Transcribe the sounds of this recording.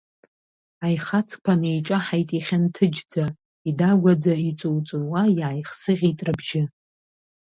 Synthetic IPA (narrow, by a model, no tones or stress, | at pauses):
ajχat͡sʰkʼpʷʰanejt͡ʃʼaħajtʼiχʲantʰɨd͡ʒd͡za | idaɡʷad͡zait͡sʷʼuwt͡sʷʼɨwajaːjχsɨʁʲitʼrɨbʒɪ